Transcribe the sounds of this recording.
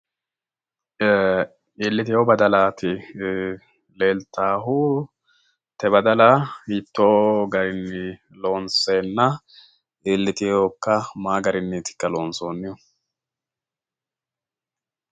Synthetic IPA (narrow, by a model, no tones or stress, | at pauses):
iːlːɪt̪ɪjobɐd̪ɐlaːt̪ɪ | leːlt̪aːɦu | t̪ɛbɐd̪ɐlahit̪ːoːɡɐɾɪnːɪ | lo̞ːnseːnːɐ | iːlːɪt̪ɪjoːkːɐmaːɡɐɾɪnːɪt̪ɪ̥kːɐlo̞ːnso̞ːnːɪjɔ